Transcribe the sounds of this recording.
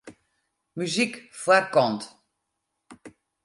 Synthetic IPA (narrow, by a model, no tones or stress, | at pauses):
myzikfwarkɔnt